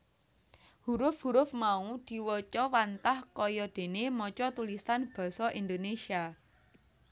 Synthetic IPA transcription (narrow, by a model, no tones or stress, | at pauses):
huɾʊfhuɾʊfmaud̪̥i̤wət͡ʃɔwant̪ahkɔjɔd̪̥e̤nemɔt͡ʃɔt̪ulisanb̥ɔ̤sɔʔind̪onesia